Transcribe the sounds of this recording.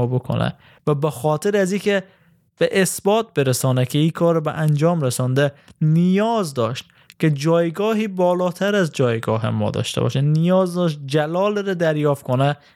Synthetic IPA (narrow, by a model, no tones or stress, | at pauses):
bokʰo̰næ̰ | væbexɒːt̪ʰeɾæziːkʰe | b̥eʔesbɒːt̪̚beɾæsɒːnækʲʰeiːkʰɒːɾbḛʔænd͡ʒɒːmɾesɒnd̪enijɒːzd̪ɒːʃt̪ | ked͡ʒɒːjɡɒːɦiːbɒːlɒːt̪ʰæɾæzd͡ʒɒːjɡɒːɦḛmɒ̰ːd̪ɒ̰ʃt̪ḛbɒ̰ʃænijɒːzd̪ɒːʃt̪̚d͡ʒælɒːlɾɛd̪æɾjɒːfkʰonæ